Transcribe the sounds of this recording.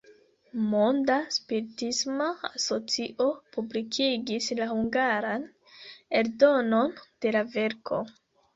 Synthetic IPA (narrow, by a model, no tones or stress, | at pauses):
mo̞ndaspiɾitismaaso̞t͡siʔo̞publikʰiɡislahuŋɡaɾan | e̞ɾdo̞no̞nd̥e̞lave̞ɾkʰo̞̰